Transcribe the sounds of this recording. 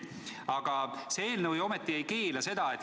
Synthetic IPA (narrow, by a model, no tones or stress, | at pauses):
ɑɡ̥ɑsee̞ːlnəvjo̞met̪ːˑie̞jkeːlɑse̞d̪̥ɑet̪ːˑ